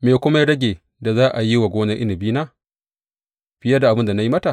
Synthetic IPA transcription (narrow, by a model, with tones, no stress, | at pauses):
meː˨kʷʊ˦ma˦jɽɐ˦ɡʲeː˨ | da˨zaː˦ʔa˨ji˦wa˨ɡʷoː˦nɐ˦ʔɪ˦nɪ˨biː˦naː˦ | ɸɪ˨jɐ˦da˨ʔa˨bɪ˦nda˨na˦ji˦mɐ˦ta˨